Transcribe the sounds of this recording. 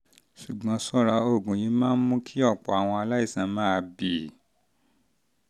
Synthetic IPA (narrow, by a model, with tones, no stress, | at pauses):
ʃu˨ɡ͡bɔ̃˨˦sɔ˦˨ɾa˧o˦˨ɡũ˨jĩ˨˧˦mãː˦n̩˦mũ˦kʰi˦ɔ˦˨k͡pɔ˨a˨w̃ɔ̃˧a˧la˦i˦˨sã˨˦mãː˦˧bi˨